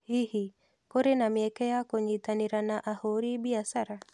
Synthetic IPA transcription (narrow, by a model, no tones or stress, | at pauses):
hihi | koɾenamjɛkɛjakoɲit̪aniɾanaʔahoɾibiasaɾa